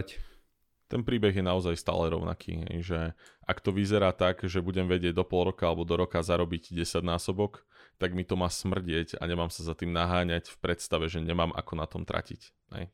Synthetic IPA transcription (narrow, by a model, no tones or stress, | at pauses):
t̪ɛnpɾiːbɛɣjɛnaɔzajst̪a̰ːlɛɾɔ̰ʊna̰kʰḭːɦɛ̰jʒɛʔakt̪ɔʋizɛɾaːt̪aɡʒɛbuɟɛmʋɛɟɪɛɟd̪ɔpɔlˠɾɔkaalɛbɔd̪ɔɾɔkazaɾɔbiɟɟɛsaɟnaːsɔbɔk | t̪aɡmit̪ɔmaːsmr̩ɟɪɛca̰ɲɛmaːmsazat̪iːmnaɦaːɲacfpɾɛt̪st̪aʋɛʒɛɲɛmaːmʔa̰kɔnat̪ɔmt̪ɾa̰cic | ɦɛ̰j